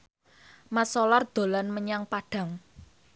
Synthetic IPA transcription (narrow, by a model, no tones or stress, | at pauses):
masɔlard̪̥o̤lanməɲaŋpaɖ̥ä̤ŋ